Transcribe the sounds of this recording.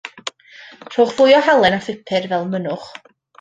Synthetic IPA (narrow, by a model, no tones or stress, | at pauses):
r̥oːχvʊjɔhalˠɛnaθɪpʰɨrvɛlˠmənʊχ